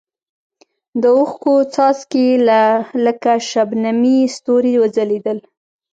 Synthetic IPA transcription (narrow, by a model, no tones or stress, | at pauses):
d̪əʊxkot͡sɑskelaləkaʃabnamist̪oɾewəd͡zaled̪əl